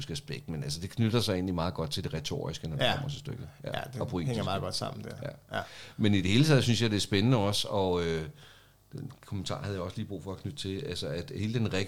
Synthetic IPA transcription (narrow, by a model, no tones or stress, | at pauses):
sɡ̥æsb̥eɡ̥d̥menælsəd̥e̝kʰnyd̥ɐsɑ̈ɪe̝̰ːnlimɑ̈ːð̞̩ˠɡ̥ɒ̽d̥̚t͡sʰeld̥e̝ʁɛt͡sʰo̝̰ːisɡ̥ənɒd̥ekʰɒ̰m̰ɐsɒsd̥øɡ̥ð̩̥ˠɒpʰo̝ḛedŋɐmɑːɡ̥ɒd̥sɑ̈m̰n̩d̥ejæmenid̥e̝he̝ːlət͡sʰɛð̰ˠsynsjɑɪd̥e̝æɐsb̥enənəɒ̽sɒ̽ø | d̥enkʰomənt͡sʰɑ̈ːhæð̞̩ˠjaɒ̽sliːb̥ʁṵːfɒ̽ɒkʰnyd̥t͡sʰe̝lælsəæd̥he̝ːləd̥enʁɛɡ